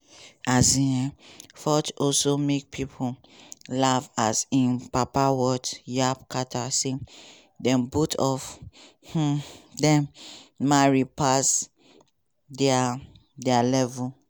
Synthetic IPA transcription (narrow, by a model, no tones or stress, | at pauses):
azĩɛfɔtɔlsomek̚pʰipʰu | lavasĩnpapawɔtjap̚katʰase | dɛ̃mbutʰɔf | h̩dɛ̃mmaɹipas | dɛa | dɛalɛvu